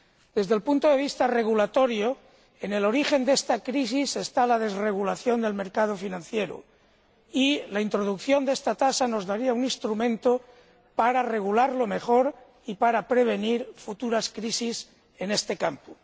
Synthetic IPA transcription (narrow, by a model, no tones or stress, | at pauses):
d̪e̞zðe̞lpunt̪oðe̞β̞ist̪are̞ɣ̞ulat̪o̞ɾjo̞ | ene̞lo̞ɾixe̞nd̪e̞st̪akɾisise̞st̪alað̞e̞zre̞ɣulaθjo̞nd̪e̞lme̞ɾkað̞o̞finãn̟θje̞ɾo̰ | ilaint̪ɾo̞ð̞ukθjo̞nd̪e̞st̪at̪asano̞zðaɾiaunĩnst̪ɾumẽ̞nt̪o | paɾare̞ɣ̞ulaɾlo̞me̞xo̞ɾ | ipaɾapɾe̞β̞e̞niɾfut̪uɾaskɾisis | e̞ne̞st̪e̞kampo̥